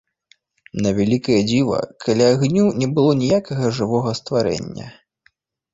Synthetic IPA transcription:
nɐvʲalʲikɐjɐd͡zʲivɐ̰kʰalʲaːɣnʲunʲɛbɨlˠɔnʲijakɐɣɐʐɨvɔɣɐst̪vaɾɛ̰nʲːɐ̰

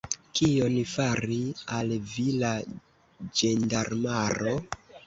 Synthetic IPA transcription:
kionifaɾialvila | d͡ʒendaɾmaɾo

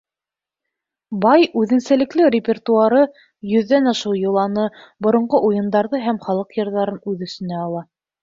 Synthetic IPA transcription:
bɑjʉðɘ̆ŋsælɘ̆klɘrʲɪpʲert̪uaɾɤ | jɵ̆ðːænɑʃɤwjɤ̆lˠɑnɤbŏɾŏɴɢoʔujɤ̆nd̪ɑɾðɤɦæmχɑlˠɤqjɤ̆ɾðɑɾɤnʉðɵ̆st̪ɘ̆næɑlˠɑ

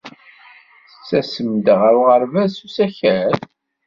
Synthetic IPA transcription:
θə̥t͡sːæsəmd̪əʁəɾuʁəɾvæsusæçæɾ

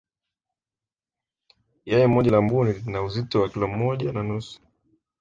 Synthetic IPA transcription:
jɛjɛmɔʄalambuninauzitɔwakilɔm̩ːɔʄananusu̥

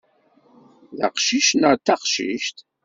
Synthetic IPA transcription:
ðæ̰qʃiʃnət̪ːaqʃḭʃt̪

